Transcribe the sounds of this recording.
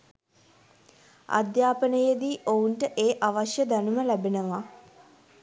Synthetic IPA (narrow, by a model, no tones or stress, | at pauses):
a̰d̪jaːpənəjəd̪iːʔouɳʈəʔeːʔaʋaʃjəd̪anuməlæbenəʋa